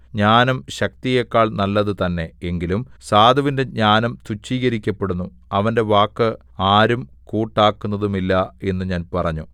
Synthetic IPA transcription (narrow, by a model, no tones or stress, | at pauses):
ɲaːnɐmɕɐk̚t̪ijekːaːɭnɐlːɐðɨt̪ɐnːe̞eŋɡilumsaːd̪ʱɐʋinde̞ɲaːnɐmt̪ut͡ɕːiːɣɐɾikʲːɐpːe̞ɽunːu | ɐʋɐnde̞ʋaːkːɨ | aːɾum | kuːʈːaːkːunːɐðumilːɐe̞nːɨɲaːnpɐrɐɲːu